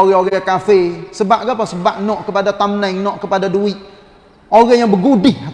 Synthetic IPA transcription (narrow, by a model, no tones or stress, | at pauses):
oɣɛoɣajakafəsəbaʔkapasəbaʔnɔʔkəpadat̪amnajŋnɔʔkəpadaduɪʔ̚ | oɾajaŋbəɡudɪh